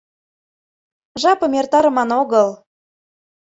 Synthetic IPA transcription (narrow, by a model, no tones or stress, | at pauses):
ʒɑpɤ̆mert̪ɑɾə̆mɑnoɣɤl